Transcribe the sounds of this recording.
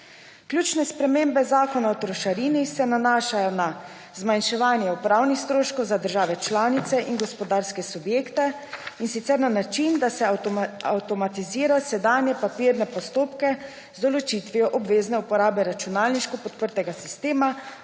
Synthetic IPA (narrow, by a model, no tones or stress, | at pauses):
kljut͡ʃnɛspɾɛmembɛzaːkɔnaɔt̪ɾɔʃaɾiːnisɛnanaːʃajɔna | zmanʃɛʋaːnjɛupɾaːwnixst̪ɾoːʃkɔwzad̪əɾʒaːʋɛt͡ʃlaːnit̪sɛʔinɡɔspɔd̪aɾskɛsubjeːkt̪ɛ | insit̪sɛɾnanat͡ʃind̪asɛawt̪ɔmat̪iziːɾasɛd̪aːnjɛpapiːɾnɛpɔst̪oːpkɛ | zd̪ɔlɔt͡ʃit̪ʋiɔʔɔbʋeːznɛupɔɾaːbɛɾat͡ʃunaːlniʃkɔpɔt̪̚pəɾt̪ɛɡasist̪eːma